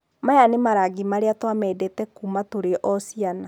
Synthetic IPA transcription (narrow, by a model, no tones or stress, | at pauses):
majanemaɾaɡimaɾeatwamɛdɛtɛkumatoɾeʔɔsiana